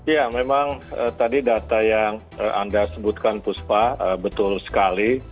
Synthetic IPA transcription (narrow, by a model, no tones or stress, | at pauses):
jamemaŋə̰t̪adidat̪ajaŋ | əʔa̰ndasəbut̪̚kanpuspaəbət̪ʊlsə̥kali